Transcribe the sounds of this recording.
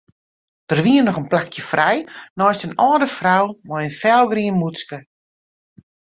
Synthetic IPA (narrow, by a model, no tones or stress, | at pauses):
d̥ərʋiənɔxənplakʰjəfrɛjnɔːstənɔːdəfrawmɔjənfɛlˠɡriənmut͡skə